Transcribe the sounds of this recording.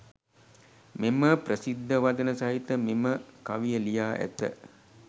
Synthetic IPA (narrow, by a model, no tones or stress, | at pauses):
meməprəsid̪ːəʋad̪ənəsaɦit̪əmeməkaʋijəlijaːʔæ̰t̪ə̰